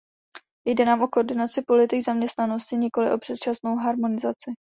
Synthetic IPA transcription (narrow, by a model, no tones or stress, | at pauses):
jdɛnaːmʔo̞kooɾdɪnat͡sɪpo̞lɪt̪ɪɡzamɲɛst̪nano̞scɪɲɪko̞lɪ̰ʔo̞pr̥ɛt̪̚t͡ʃasno̞wɦaɾmo̞nɪzat͡sɪ